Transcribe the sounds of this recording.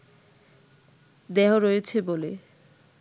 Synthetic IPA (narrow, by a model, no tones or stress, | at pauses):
d̪ɛɦoɾojet͡ɕʰebole